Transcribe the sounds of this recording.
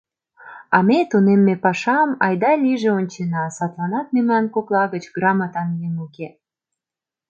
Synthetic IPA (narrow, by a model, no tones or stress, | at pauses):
ɑmet̪unemːepɑʃɑmɑjd̪ɑlʲiʒeonʲt͡ɕenɑsɑt̪lɑnɑt̪̚memlɑnkoklɑɣət͡ɕɡrɑmɑt̪ɑnɡemuke